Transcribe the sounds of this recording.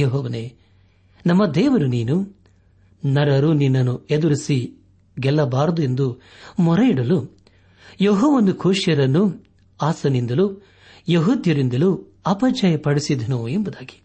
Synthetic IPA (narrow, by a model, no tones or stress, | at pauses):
jɔɦɔːʋɐne | nɐmːɐd̪ɛːʋɐɾuniːnu | nɐɽɐɾuninːɐnːued̪uɾisi | ɡɛlːɐbaːɾd̪ue̞nd̪u | mɔɾɐiɽɐlu | jɔɦɔːʋɐnd̪ukʰuːʂjɐɾɐnːu | aːsɐnind̪ɐlu | jeɦud̪jɐɾind̪ɐlu | ɐpɐd͡ʒɐjɐpɐɽisid̪ʱɐnuembud̪aːɡi̥